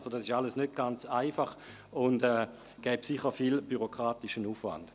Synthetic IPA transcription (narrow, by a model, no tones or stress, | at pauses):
sodɑsɪʃaləsnøt̚ɡ̥ant͡saɪfaχ | ʊndɛː | ɡ̥ɛːbsiχəfilb̥yʁokʁaːtɪʃənuːfva̰nd̥